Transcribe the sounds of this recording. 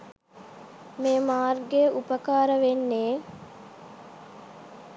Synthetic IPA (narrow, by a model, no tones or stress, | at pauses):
meːmaːrɡeʔupəkaːɾəʋenːeː